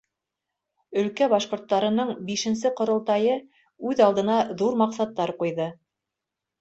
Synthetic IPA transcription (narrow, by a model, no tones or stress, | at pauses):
ɵ̆lkæbɑʃqŏɾt̪ːɑɾɤ̆nɤɴbiʃɘ̆nsɘqŏɾŏlˠt̪ɑjɤ | ʉðɑlˠd̪ɤ̆nɑðuɾmɑqsɑt̪ːɑɾqujðɤ